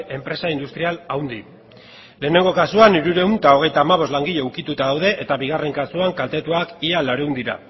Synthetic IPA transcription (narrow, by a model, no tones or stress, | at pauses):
e̞mpɾe̞saind̪ust̪ɾialawnd̪i | le̞ːne̞ŋɡo̞kasuaniɾuɾe̞unt̪ao̞ɣ̞e̞jt̪aːmaβ̞o̞zlaŋɡiʎe̞ukit̪ut̪aðawðe̞ʔet̪aβiɣ̞are̞ŋkasuaŋkalt̪e̞t̪uakialaɾeund̪iɾa̰